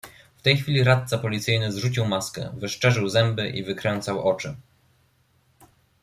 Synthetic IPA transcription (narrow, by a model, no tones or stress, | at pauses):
ft̪ɛjxfʲilʲiɾat̪̚t̪sapɔlʲit̪sɘjnɘzʐut͡ɕiwmaskɛ̰vɘʂt͡ʂɛʐɘwzɛmbɘʔḭvɘkɾɛnt̪sawʔɔt͡ʂɘ